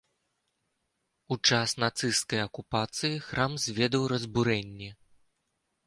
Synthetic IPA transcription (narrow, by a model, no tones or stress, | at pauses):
ut͡ʂasnat̪sɨskɐjɐkupat̪sɨjixɾamzʲvʲɛd̪ɐwrɐzbuɾɛnʲːi